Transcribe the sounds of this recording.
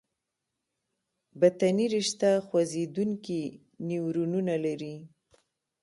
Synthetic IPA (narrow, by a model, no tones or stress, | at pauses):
bat̪aniɾɪʃt̪axwazed̪uŋki | niwɾununalaɾi